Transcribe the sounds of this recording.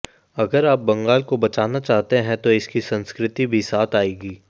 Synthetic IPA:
ɐɡəɾaːp̚bɐ̃ŋɡaːlkobɐt͡ʃaːnat͡ʃaːɦt̪eɦɛ̃t̪oɪskisɐ̃nskɾɪt̪ibʱisaːt̪ʰaːeːɡiː

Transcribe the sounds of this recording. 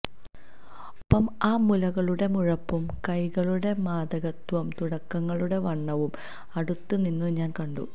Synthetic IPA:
opːɐmaːmulɐɣɐɭuɽe̞muɻɐpːumkɐjɣɐɭuɽe̞maːd̪ɐɣɐt̪ʋɐmt̪uɽɐkːɐŋːɐɭuɽe̞ʋɐɳːɐʋum | ɐɽut̪ːuninːɨɲaːnkɐɳɖṵ

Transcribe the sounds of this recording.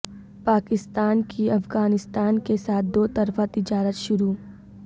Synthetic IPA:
paːkɪst̪aːnkʰiɐfɡaːnɪst̪aːnkesaːt̪̚ʰd̪oːt̪ɐɾfat̪ɪd͡ʒaːɾət̪ʃʊɾuː

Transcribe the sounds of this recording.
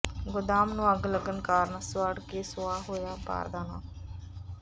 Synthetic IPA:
ɡʊd̪aːmnũːəɡləɡənkaːɾnaːsʊaːɽkeːsʊaːɦoːjaːpa̰ːɾd̪aːnã̰ː

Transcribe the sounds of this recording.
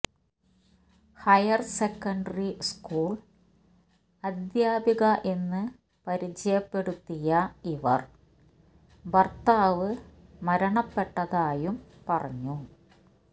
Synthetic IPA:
hɐjɐrsekːɐɳɖɐriskuːɭ | ɐd̪jaːbiɣɐʔe̞nːɨ | pɐɾit͡ɕɐjɐpːe̞ɽut̪ːijɐiʋɐ̰r | ʋɐrt̪aːʋɨmɐɾɐɳɐpːe̞ʈːɐðaːjumpɐrɐɲːu

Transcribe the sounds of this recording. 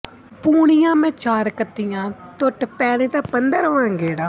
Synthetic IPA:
puːɽɪjãːmɛ̃ːt͡ʃaːɾkət̪ːijãːt̪ʊʈpɛːɽẽːt̪aːpənd̪əɾɦoːãːɡeːɽaː

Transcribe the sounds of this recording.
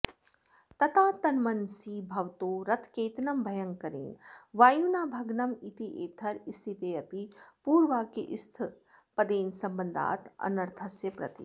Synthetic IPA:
t̪ɐt̪aːt̪ɐnmɐnsiːbʱɐʋt̪oːɾɐt̪ʰkeːt̪nɐmbʱɐjɐŋkɐɾḛːnʋaːjunaːbʱɐɡnɐmit̪iʔeːt̪ʰɐɾist̪ʰit̪eːɐpipuːɾʋaːkeʔist̪ʰ | pɐd̪eːnsɐmbɐnd̪ʱa̰ːt̪ɐ̰nɐɾt̪ʰɐsjɐpɾɐ̰t̪ḭ

